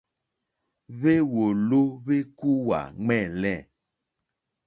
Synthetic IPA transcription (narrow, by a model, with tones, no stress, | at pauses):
βe˦wo˨lo˦βe˦ku˦wa̰˨ŋ͡mɛ˦˨lɛ˦˨